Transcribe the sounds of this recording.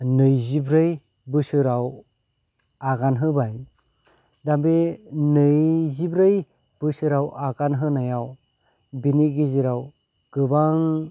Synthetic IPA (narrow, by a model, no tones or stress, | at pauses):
nɯjzibɾɯj | bɯsɯɾaw | aɡanɦɯbaj | dambenɯjzibɾɯj | b̥ɯsɯɾawʔaɡanɦɯnajaw | biniɡiziɾaw | ɡ̥ɯbaŋ